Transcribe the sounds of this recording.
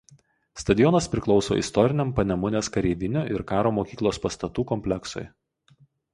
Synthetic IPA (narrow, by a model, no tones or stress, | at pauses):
st̪ɐd̪ʲɪjɔnɐspʲɾʲɪklˠɒʊso̰ːʔɪ̰st̪ɔɾʲɪnʲɛmpɐnʲɛmʊnʲeːskɐɾʲeːʋʲɪnʲoːʔɪɾkɑːɾoːmoːkʲiːklˠoːspɐst̪ɐt̪uːkɔmʲpʲlʲɛksɔ̰ɪ